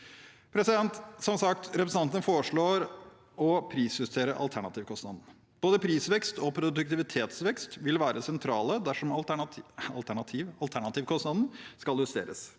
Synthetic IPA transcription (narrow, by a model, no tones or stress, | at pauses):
pʰɾɛsɪd̪ɛnt̪sɔmsɑk̚t̪ɾɛpɾəsnɑnt̪ənəfoːɾʂɭoːɾ | ɔpʰɾiːshʉst̪ʰeːɾəʔɑ̰lt̪ʰæɳɑt̪iːʋkʰɔst̪ɑd̪n̩ | b̥oːd̪əpʰɾiːsʋɛkst̪ɔpʰɾʊd̪ʉkt̪ɪʋɪt̪ʰeːt̪sʋɛkst̪ʋɪlʋæːɾəsɛnt̪ʰɾɑːləd̪æʂɔmɑɑ̰lt̪æɳɑt̪ʰiːʋɑlt̪ʰæɳɑt̪iːʋkʰɔst̪nɑd̪n̩skɑljʉst̪ḛːɾə̰s